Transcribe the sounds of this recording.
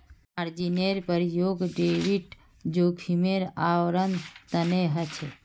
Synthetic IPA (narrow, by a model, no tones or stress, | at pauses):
maɾd͡ʒineɾpəɾjoːɡɖeʋiʈ | d͡ʒoːkʰimeɾaʋɾənt̪əneɦət͡ʃʰe